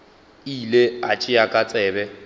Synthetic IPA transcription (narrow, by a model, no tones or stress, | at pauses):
ileat͡ʃʼɪakʼat͡sʼɛːbɛ